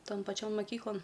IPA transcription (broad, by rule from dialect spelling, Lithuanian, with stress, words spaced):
ˈtoːn pɐˈt͡ʃʲoːn mɐˈkʲiːklˠoːn